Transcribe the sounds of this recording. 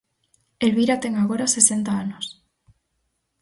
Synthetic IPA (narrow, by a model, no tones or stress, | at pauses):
elβiɾat̪e̞ŋaɣo̞ɾasese̞nt̪aanos